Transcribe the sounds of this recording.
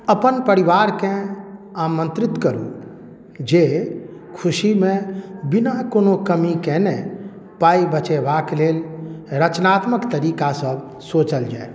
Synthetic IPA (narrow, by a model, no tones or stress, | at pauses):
əpənpəɾiʋaːɾkẽ | aːmə̃nt̪ɾɪt̪kəɾṵ | d͡ʒe | kʰuʃimẽbinakoːnokəmikɛnɛ | paːibət͡ʃebakleːlɾət͡ʃnaːt̪məkt̪əɾiːkasəbʱ | soːt͡ʃəld͡ʒa̰ːe